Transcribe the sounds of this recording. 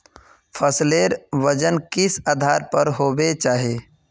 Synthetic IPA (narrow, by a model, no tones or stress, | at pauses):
fʰəsleːɾʋəd͡ʒənkɪsaːd̪ʱaːɾpəɾɦoːbet͡ʃaːɦieː